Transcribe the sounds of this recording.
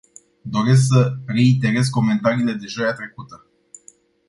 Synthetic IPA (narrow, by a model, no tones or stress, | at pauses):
d̪o̞ɾe̞s̬ksəre̞it̪e̞ɾe̞sko̞me̞nt̪aɾiːle̞d̪e̞ʒojat̪ɾe̞kut̪ə